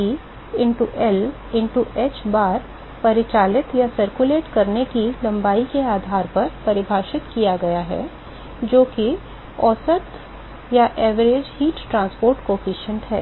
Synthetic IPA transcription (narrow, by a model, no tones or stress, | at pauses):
i | ɪ̃ɳʈuʔɛl | ɪ̃ɳʈuʔeːt͡ʃbaːɾ | pɐɾɪt͡ʃaːlɪt̪jasɐɾkuleːʈkɐɾnekilɐ̃mbaːikeaːd̪ʱaːɾpɐɾpɐɾɪbʱaːʃɪt̪kijaɡɐjaɦɛ̰ | d͡ʒoːki | ɔːsət̪ | jaʔɛːʋəɾeːd͡ʒhiːʈʈɾãːnspoːɾʈkoːfiːʃə̃ɳʈɦɛ̰ː